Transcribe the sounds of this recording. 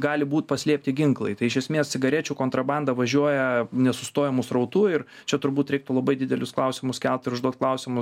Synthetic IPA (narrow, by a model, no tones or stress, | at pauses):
ɡɑːlʲɪbuːt̪pɐsʲlʲiɛpʲt̪ʲɪɡʲɪŋklˠɐɪt̪ɐɪɪʃʲɛsʲmʲeːssʲɪɡɐɾʲɛt͡ʃʲuːkoːnt̪ɾɐbɑnd̪ɐʋɐʒʲuɔjɛnʲɛsʊst̪oːjɛmʊsɾɐʊt̪uːɪɾt͡ʃʲɛt̪ʊɾbuːt̪ɾʲɛɪk̚t̪ʊlˠɐbɐɪd̪ʲɪd̪ʲɛlʲʊsklˠɐʊsʲɪmʊskʲɛlˠt̪ɪɾʊʒd̪uɔt̪̚klˠɐʊsʲɪmʊ